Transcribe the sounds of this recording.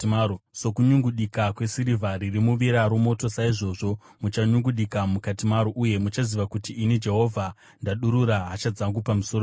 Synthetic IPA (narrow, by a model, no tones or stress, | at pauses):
so̞kuɲuŋɡuɗikakwe̞siɾivʱaririmuʋiɾaɾomo̞to̞saiʐo̞ʐo̞ | mut͡ʃaɲuŋɡuɗikamukatimaɾoʔuje̞mut͡ʃaziʋakutiːnid͡ʒe̞ɦo̞vʱa | ndaɗuɾuɾaɦat͡ʃad͡zaŋɡupamusoo